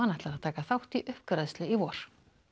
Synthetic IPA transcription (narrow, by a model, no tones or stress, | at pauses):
anaht̪aɾaðt̪ʰaːkaθawht̪iʔʏhpkɾaðst̪lɪivɔːɾ̥